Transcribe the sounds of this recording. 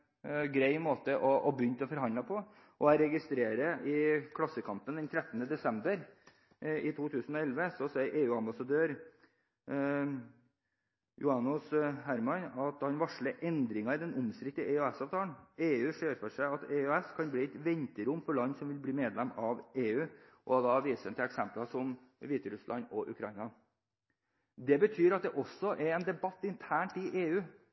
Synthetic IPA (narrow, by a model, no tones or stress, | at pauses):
ɡɾæɪmoːt̪əʔɔʔɔbjʏnt̪ɔfɔɾɦɑnd̪lɑpʰɔ | ʔɔæɾɛɡɪst̪ɾeːɾəʔɪkʰlɑsːəkʰɑmpənd̪ɛnt̪ʰɾɛt̪ːənəd̪ɛsɛmbəɾ | ɪt̪ʰuːt̪ʰʉːsn̩ɔɛlʋəsɔsɛɪʔeːʉːɑmbɑsɑd̪øːɾ | jʊɑnʊshæɾmɑnɑt̪hɑnʋɑʂɭəʔɛnd̪ɾɪŋɑɪd̪ɛnʊmskɾɪkt̪əʔæøɛsɑːʋt̪ʰɑːəɳn̩eːʉːʂøːɾfɔʂæɪɑt̪ɛœɛskʰɑnbliːɛɪt̪ʋɛnt̪əɾʊmːfɔɭɑnːsɔmʋɪlbliːmeːd̪lɛmːɑʋeːʉːʔɔd̪ɑʋiːsəɛnt̪ɪlɛksɛmplɑsɔm | ʋiːt̪əɾʉslʔɑnɔʔʉ̰kʰɾɑɪnɑ | d̪ɛbət̪ʰyːɾɑt̪̚d̪ɛʔɔsɔʔɛɾɛːnd̪ɛbɑt̪ːɪnt̪ʰæːɳʈɪʔeːʉː